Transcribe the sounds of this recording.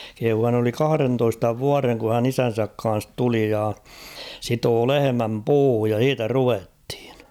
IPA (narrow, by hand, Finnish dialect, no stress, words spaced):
kehuː hæn oli kɑhɑ̆rentoistɑ ʋuɑreŋ ku hæn isæn̞sæk kɑ̃ːs tuli jɑ sitoː lehemæm puːhuj jɑ h̞iːtæ ruʋethi̥n̥